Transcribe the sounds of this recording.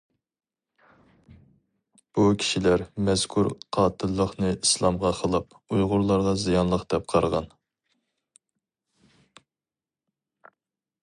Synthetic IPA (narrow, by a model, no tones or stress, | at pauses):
b̥ukʲʰi̥ʃilæɾmɛz̥kʰuɾqʰɑːt̪ʰɨlˠːəχnɨislˠɑmʁɑqʰəlˠɨp | ujʁʊɾlˠɑɾʁɑzijɑnlˠəqd̪̥ɛp̚qʰɑɾʁɑ̰n